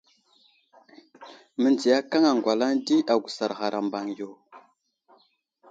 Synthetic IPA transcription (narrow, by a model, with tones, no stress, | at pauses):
mə˨nd͡zi˨ja˦ka˦ŋa˨ŋɡʷa˨la˦ŋdi˦a˨ɡʷu˨sa˨ɾɣa˨ɾʔa˨mba˨ŋjo˨